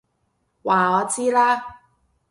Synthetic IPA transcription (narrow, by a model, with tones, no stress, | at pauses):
waː˨˩ɔː˨˧t͡siː˥laː˥